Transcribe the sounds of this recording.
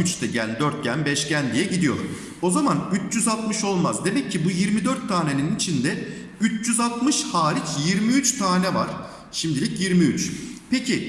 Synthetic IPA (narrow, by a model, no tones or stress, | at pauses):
yt͡ʃt̪ʰɛɟænd̪øɾt̪̚ɟænbɛʃcænd̪ijɛɟid̪ijo̞̰ɾ | o̞zamanyt͡ʃd͡ʒyzalˠt̪mɯʃo̞lˠmazd̪e̞mɛcʰːibujiɾmid̪øɾt̪ʰːaːne̞ninnit͡ʃʰind̪ɛ | yt͡ʃd͡ʒyzalˠt̪mɯʃhaːɾicjiɾmiyt͡ʃt̪ʰaːnɛva̰ɾ̥ | ʃimd̪ilʲicjiɾmiyt͡ʃpecʰi